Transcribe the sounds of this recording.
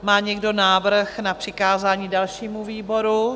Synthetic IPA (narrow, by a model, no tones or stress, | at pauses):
maːɲɛɡdo̞naːvr̩xnapr̝̥ɪkaːzaːɲiːdalʃiːmuviːbo̞ɾu